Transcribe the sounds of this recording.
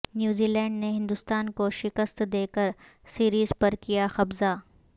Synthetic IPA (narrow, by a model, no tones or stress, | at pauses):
njuːziːlɛ̃ːɳɖneɦɪ̃nd̪ʊst̪aːnkoʃɪkəst̪d̪eːkəɾ | siːɾiːzpɐɾkijaxɐbza